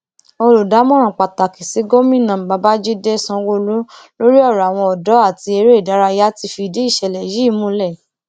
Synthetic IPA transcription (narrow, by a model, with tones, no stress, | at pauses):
o˧lo˨da˨˦mɔ̃˦ɾ̃ã˨k͡pa˨ta˨ki˨si˨˦ɡo˦mĩ˦˨nã˨a˨˧˦ba˦d͡ʒi˦de˦sã˧wo˧lu˦lo˦ɾi˦ɔ˦˨ɾa˨w̃ɔ̃˧ɔ˨dɔ˨˦a˦˨ti˧e˧ɾe˦˨da˨˦ɾa˧˦ja˦ti˧fi˧de˨˦i˦˨ʃɛ˧lɛ˨ji˨˦˨mũ˧˦lɛ˦˨